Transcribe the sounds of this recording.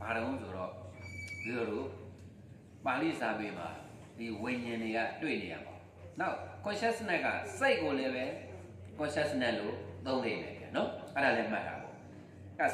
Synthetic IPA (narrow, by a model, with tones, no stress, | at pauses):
b̥a˨ɾõ˨˦so˨ɾɔ̰˦˨ju˨˦ɔ˨ɾo˦˨ | pa˨lḭ˦˨sa˦pe˨ma̰˨ | di˨wẽ˨ɲɪ̃˨nde˨ɡa̰˦˨twḛ˦˨ne˨ja̰˦˨bã̰˨ʊ̃ | na˦ʊʔkʊ̃˨ɕɛ˦ʔsə˦nɛ˦ʔkːa̰˦˨se˦ɪʔkːo˨lɛ˦bɛ˦ | kʊ̃˨ɕɛ˦ʔsə˦nɛ˦ʔlo˨t̪õ˦ʊ̃nd̪ḛ˦˨lɛ̰˨ja̰˨nɔ˦ʔɛ˦ɾa˨lɛ˦m̥a̰˦˨ʔʰa̰˨bɔ̰˨ | a˦˨